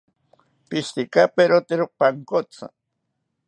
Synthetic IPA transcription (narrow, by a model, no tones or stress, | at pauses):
pist̪ikapeɾot̪eɾopaŋkot͡sa̰